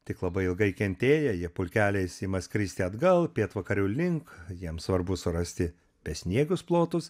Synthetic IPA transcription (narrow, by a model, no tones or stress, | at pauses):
t̪ʲɪklˠɐbɐɪɪlˠɡɐɪkʲɛnʲt̪ʲeːjɛjiɛpʊlʲkʲæːlʲɛɪsimɐsʲkɾʲiːsʲt̪ʲɪɐd̪ɡɐlˠpʲeːt̪ʋɐkɐɾʲɛʊlʲɪŋkjiɛmsʋɐɾbʊsʊɾɐsʲt̪ʲɪ | pʲɛsʲnʲiɛɡʊsplˠoːt̪ʊs